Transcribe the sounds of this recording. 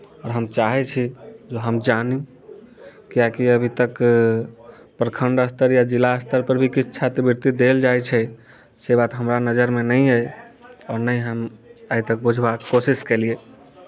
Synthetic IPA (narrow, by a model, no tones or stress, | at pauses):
ɔːɾɦəmt͡ʃaɦɛt͡ʃʰid͡ʒoɦəmd͡ʒanĩ | kijakiəbʱit̪ək | pɾəkʰəɳɖəst̪əɾjad͡ʒilaəst̪əɾpəɾbʱikit͡ʃʰt͡ʃʰat̪biɾt̪id̪eld͡ʒaet͡ʃʰɛ | sebat̪ɦəmɾanəd͡ʒəɾmenə̃ə | ɔːɾnəj̃ɦəməbit̪ək̚bud͡ʒʱbakːosiskelie